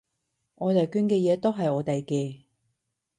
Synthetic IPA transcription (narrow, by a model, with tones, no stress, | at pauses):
ɔː˨˧t̪ɐ˨˩kyː˧nkɛː˧jɛː˨˧t̪o˥wɦɐ˨jɔː˨˧t̪e˨jkɛː˧